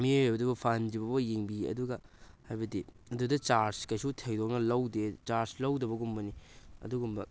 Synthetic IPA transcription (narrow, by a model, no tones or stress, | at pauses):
miebɐdubɐpʰand͡ʒibɐbɐjeŋbiɐ̰duɡɐhajbɐdi | ɐdudɐt͡ʃaɾskɐjsutʰejdok̚nɐlɐwdet͡ʃaɾslɐwdɐβɐɡumbɐniɐ̰duɡumbɐ